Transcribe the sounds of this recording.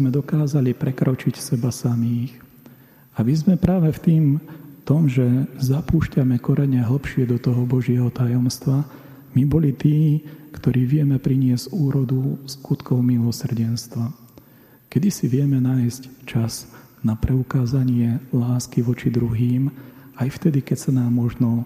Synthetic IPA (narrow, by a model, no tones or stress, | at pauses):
mɛd̪ɔkaːzalipɾɛkɾɔt͡ʃicsɛbasamiːx | amizmɛpɾaːʋɛft̪iːmt̪ɔmʒɛzapuːʃcamɛkɔɾʔɛɲɛɦl̩pʃɪɛd̪ɔt̪ɔɦɔbɔʒɪɛɦɔt̪ajɔmst̪ʋa | mibɔlit̪iːkt̪ɔɾiːʋɪɛmɛpɾiɲɪɛz̥uːɾɔd̪uskut̪kɔʊmilɔsr̩ɟɛnst̪ʋa | kɛd̪isiʋɪɛmɛnaːjsct͡ʃaz̥ | napɾɛukaːzaɲɪɛlaːskiʋɔt͡ʃid̪ɾuɦiːmajft̪ɛd̪ikɛcsanaːmːɔʒnɔ